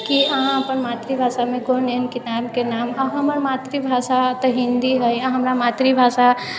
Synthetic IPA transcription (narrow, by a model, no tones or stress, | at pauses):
kiəɦãəpənmat̪ɾibʱasameɡonenkit̪ankenamaɦəməɾmat̪ɾibʱasat̪əɦind̪iɦəjaɦəmɾamat̪ɾibʱasa